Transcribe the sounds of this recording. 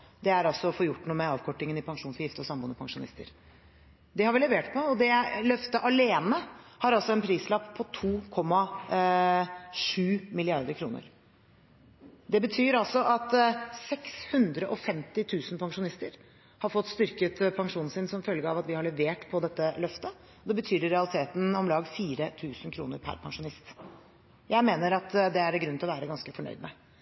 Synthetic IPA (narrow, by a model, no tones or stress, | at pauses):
d̪ɛæɾɑlsɔɔfoːjʊʈːnuːəmɛɑːʋkʰɔʈːɪŋənɪpʰɑŋʂuːnsɔjɪft̪əɔsɑmbuːnəpʰɑŋʂʊnɪ̰st̪ə̰ɾ | d̪ɛhɑɾʋɪlɛʋeːʈpʰɔɔd̪ɛlœft̪əʔɑleːnəhɑɾɑlsɔɛnpʰɾiːslɑpːpʰɔt̪ʰuːkʰɔmːɑ | ʂʉːmɪlɪɑɾd̪əɾkʰɾṵːnə̰ɾ | d̪ɛbət̪ʰyːɾɑlsɔʔɑt̪sɛkshʉnd̪ɾəʔɔfɛmt̪ɪt̪ʰʉːsnpʰɑŋʂʊnɪst̪əɾ | hɑɾfɔt̪ːst̪ʏɾkət̪pʰɑŋʂuːnn̩sɪnsɔmfœlɡəɑʋɑt̪ʋɪhɑɭɛʋeːʈpʰɔd̪ɛt̪ːəlœft̪ə | ɔd̪ɛbət̪ʰyːɾɾɛɑlɪt̪ʰeːt̪n̩ɔmlɑːɡfiːɾət̪ʰʉːsnkʰɾuːnəɾpʰæ̰ɾpʰɑŋʂʊnɪst̪ | jæɪmeːnəɾɑt̪d̪ɛæɖɛɡɾʉnɪlɔʋæːɾəɡɑnskəfɔɳœ̰ʏd̪mɛ